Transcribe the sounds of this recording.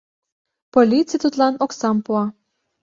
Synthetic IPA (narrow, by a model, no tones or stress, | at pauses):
polʲit͡sijt̪ut̪lɑnoksɑmpuɑ